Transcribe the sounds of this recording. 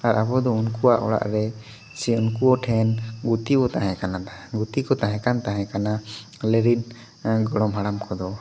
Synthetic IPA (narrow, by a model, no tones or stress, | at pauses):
aɾabɔd̪ɔunkuwaʔɔ̰ɽa̰ʔɾɛ | siunkuɔʈʰɛnɡut̪ikɔt̪ahɛ̃kanaaɡut̪ikɔt̪aɦɛ̃kant̪aɦɛ̃kana | lɛɾin | ɡɔɽɔmɦaɽamkʰɔd̪ɔ